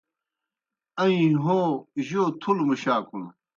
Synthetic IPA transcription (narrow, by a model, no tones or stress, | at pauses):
ɐĩɦoːʑoːt̪ʰulmuɕaːkʰun